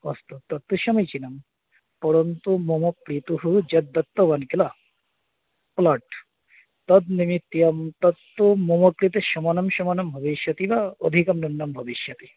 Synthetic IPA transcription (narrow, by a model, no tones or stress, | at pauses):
ɔst̪ut̪ːɐt̪ːuʃɐmɐjt͡ʃinɐm | pɔɾont̪umomokɾit̪uɦud͡ʒɐd̪ːɐt̪ːoʋɐnkilɐ | plɐʈ | t̪ɐd̪̚nimit̪ːijɐmt̪ɐt̪ːumomɐkɾit̪eʃɔmɐnɐmʃɔmɐnɐmbʱɐbiʃjɐt̪iʋaod̪ʱikɐmnunːɐmbʱɐbiʃjɐt̪i